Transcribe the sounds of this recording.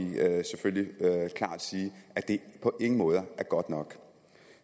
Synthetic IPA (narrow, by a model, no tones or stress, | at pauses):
iseføllikʰlɑ̰̈ːd̥siːæd̥e̝pʰɒ̽ʔe̝ŋ̥ŋəmɔ̽ːð̞ˠəæɐɡ̥ɒ̽d̥nɒ̽ɡ̥